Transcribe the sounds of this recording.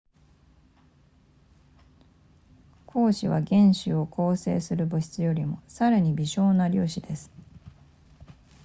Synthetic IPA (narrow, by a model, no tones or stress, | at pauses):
kʰo̞ːɕiβaɡẽ̞ɰ̃ɕio̞kʰo̞ːse̞̰ːsɨɾɯ̟bɯ̟ɕi̥t͡sɨjo̞ɾʲimo̞saɾaɲ̟ibʲiɕo̞ːnaɾʲoːɕid̪e̞sɨ̥